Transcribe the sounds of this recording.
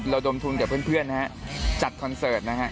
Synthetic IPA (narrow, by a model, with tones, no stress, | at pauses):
ɾa˧wdo˧mt̪ʰu˧nkɛː˨˩pʰɯ˥˩ənpʰɯ˥˩ənːa˦˥hʰa˦˥t͡ɕa˨˩t̪̚kʰɔ˧nsɤː˨˩t̪̚na˦˥kʰa˦˥ʔ